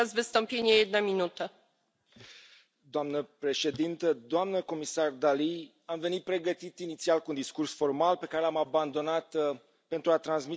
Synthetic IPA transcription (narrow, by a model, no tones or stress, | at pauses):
azvɨst̪ɔmpʲeɲʲjajɛd̪namʲinut̪ə | d̪oamnəpɾe̞ʃe̞d̪int̪əd̪oamnəko̞misard̪ali | amve̞nit̪̚pɾe̞ɡət̪it̪init̪sialkund̪iskursfo̞rmalpe̞kaɾe̞lamaband̪o̞nat̪ | pe̞nt̪ɾuat̪ɾansmi